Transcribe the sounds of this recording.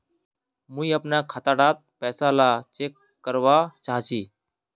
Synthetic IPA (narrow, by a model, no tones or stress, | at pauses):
muiapɳjakʰat̪aɽat̪̚pɛsalat͡ɕekːəɾʋat͡ɕaɦt͡ɕiː